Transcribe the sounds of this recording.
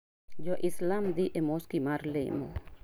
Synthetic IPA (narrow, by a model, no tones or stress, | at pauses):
d͡ʒoʔislamd̪iʔemoskimaɾlḛmo